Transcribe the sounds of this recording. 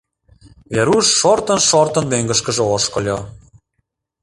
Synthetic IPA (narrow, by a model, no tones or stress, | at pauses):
veɾuʃːort̪ə̆nʃort̪ə̆nmøŋɡə̆ʃkə̆ʒolʃkŏlʲo